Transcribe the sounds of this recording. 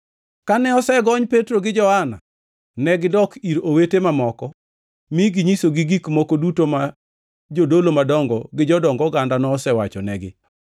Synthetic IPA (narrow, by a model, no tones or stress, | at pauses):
kanɛɔsɛɡɔɲpetɾoɡɪd͡ʒɔhana̰ | nɛɡɪdɔkiɾowetemamɔkɔ | miɡiɲisoɡiɡikmokodutoma | d͡ʒodolomadɔŋɡɔɡɪd͡ʒɔdɔŋɡɔɡandanɔːsɛwat͡ʃɔnɛɡɪ̰